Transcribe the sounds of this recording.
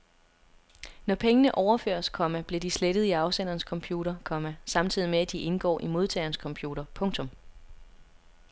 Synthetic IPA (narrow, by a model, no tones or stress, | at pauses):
nɒpʰeŋənəʔɒʊɐfø̰ːɐ̰skʰɒ̽mæb̥le̝d̥isled̥əð̞̩ˠiɑ̈ʊsen̰ɐːnskʰɒ̽mpʰjuːɾɐkʰɒ̽mæsɑ̈mt͡sʰið̰ˠimeæd̥iʔe̝nɡ̥ɒ̰ːʔimo̝ð̞ˠt͡sʰɛ̰ːɐnəskʰɒ̽mpʰjuːɾɐpʰɔ̽ŋt͡sʰɔ̽m